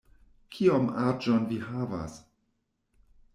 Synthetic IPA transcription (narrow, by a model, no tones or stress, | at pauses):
kʰiomad͡ʒonvihava̰s